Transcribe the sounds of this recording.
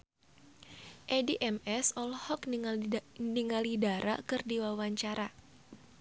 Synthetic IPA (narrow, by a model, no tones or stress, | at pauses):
ʔediʔɛmɛsɔlhɔk | niŋalidaɾa̰kɨrdiwawaɲt͡ʃaɾa